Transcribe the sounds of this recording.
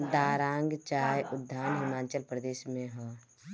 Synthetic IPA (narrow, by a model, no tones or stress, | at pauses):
d̪aːɾãːŋɡt͡ʃaːɾjʔʊd̪ʱːaːnɦʊmaːnt͡ʃəlpɾəd̪eːʃmẽɦãː